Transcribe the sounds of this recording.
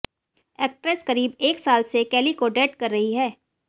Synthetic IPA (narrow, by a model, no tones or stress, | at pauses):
ɛːk̚ʈɾeskɐɾiːbeːksaːlsekɛːlikoɖeːʈkɐɾːɐɦiɦɛː